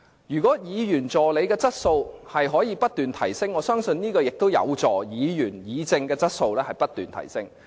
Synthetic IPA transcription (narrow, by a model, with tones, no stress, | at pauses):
jyː˨˩kʷɔː˨˥jiː˨˧jyː˨˩nt͡sɔː˨le˨˧jkɛː˧t͡sɐ˥t̚so˧whɐ˨jɦɔː˨˥jiː˨˧pɐ˥t̚t̪yː˨nt̪ʰɐ˨˩jsɪ˥ŋːɔː˨˧sœː˥ŋsɵ˧nniː˥kɔː˧jɪ˨k̚t̪o˥wjɐ̰˨˧wt͡sɔː˨˩jiː˨˧jyː˨˩njiː˨˧t͡sɪ˧ŋkɛː˧t͡sɐ˥t̚so˧wlɛː˥hɐ˨jpɐ˥t̚t̪yː˨˩nt̪ʰɐ̰˨˩jsɪ˥ŋ